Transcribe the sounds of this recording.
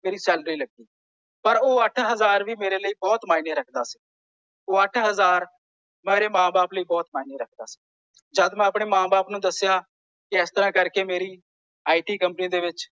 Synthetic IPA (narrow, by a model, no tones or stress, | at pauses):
meːɾiːsɛːlɾiːləɡiː | pəɾoːəʈʰɦəzaːɾʋiːmeːɾeːləiːbɔːt̪maːineːɾəkʰd̪aːsi̥ː | oːəʈʰɦəzaːɾ | mɛːɾeːmãːbaːpləiːbɔːt̪maːineːɾəkʰd̪a̰ːsi̥ | d͡ʒəd̪mɛ̃ːəpɽ̃eːmãːbaːpnũːd̪əsːɪjaː | kɪɪst̪əɾãːkəɾkeːmeːɾiː | aːiʈiːkəmpənĩːd̪eːʋɪt͡ʃ